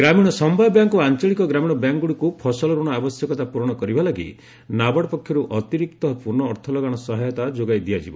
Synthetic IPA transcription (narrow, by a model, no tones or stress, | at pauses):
ɡɾamiɽ̃ɔsɔmbʱajɔbjaŋkuant͡ʃɔɭikɔɡɾamiɽ̃ɔbjaŋɡuɽikupʰɔsɔlɔɾuɽ̃ɔabɔsjɔkɔt̪apuɾɔɽ̃ɔkɔɾibʱalaɡḭ | nabɔɽpɔkʰjɔɾuʔɔt̪iɾik̚t̪ɔpuɾnɔːɾt̪ʰɔlɔɡaɽ̃ɔsɔɦɔjɔt̪ad͡ʒoɡajd̪iad͡ʒibɔ